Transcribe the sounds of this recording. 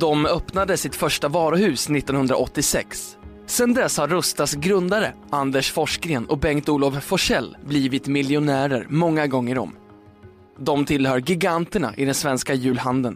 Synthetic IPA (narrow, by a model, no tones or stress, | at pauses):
d̪ɔmœpnad̪əsɪt̪fœʂʈavɑːɾʊhʉ̟ːsnɪt̪ːɔnhɵnd̪ɾa̰ʔɔt̪ːɪsɛ̰ksː | ɛnd̪ɛshaɾːɵst̪asɡɾɵnd̪aɾəʔand̪əʂfɔʂkɾeːnɔ̰bɛŋkt̪uːlɔvfɔʂɛlːbliːvɪt̪mɪljʊnæːɾəɾmɔŋːaɡɔŋːəɾɔ̰m | d̪ɔmt̪ʰɪlhœːɾɡɪɡant̪əɳa̰ʔɪd̪ɛnsvɛnskajʉ̟ːlhand̪ən